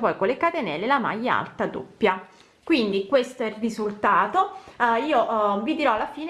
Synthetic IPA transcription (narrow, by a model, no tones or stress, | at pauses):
pɔjkolːekat̪enɛlːelama̰jːaa̰lt̪ad̪o̰pːja | kwind̪ikwest̪oɛrːizult̪aːt̪oiːoʔvid̪iɾɔalːafiːn